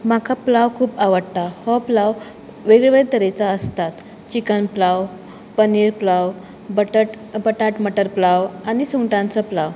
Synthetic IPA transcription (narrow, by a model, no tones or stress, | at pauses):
makʰaplaʋkʰuːpaʋəɽt̪ahɔplaʋ | ʋeɡɭeʋɭeɾt̪əɾet͡saəst̪at̪ | t͡ɕikənplaw | pəniːɾplaw | bəʈəʈ | bəʈaʈməʈəɾplawanisuŋʈãnt͡səplaʋ